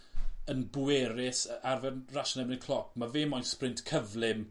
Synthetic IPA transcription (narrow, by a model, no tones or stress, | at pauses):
ənbʊɛɾɪsarvɛnraʃənɛmnɪkʰl̥ˠɔk̚ʰmavɪːmɔjnsprɪntkʰəvlɪm